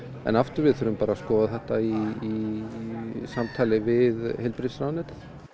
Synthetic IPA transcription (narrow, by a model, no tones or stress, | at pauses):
ɛ̰naft̪ʏɾvɪðθœːɾʏmpaːɾaskɔːðaθɛht̪aiː | samt̪ʰaːlɪvɪðhelpɾit̪sɾawnɛt̪ḁ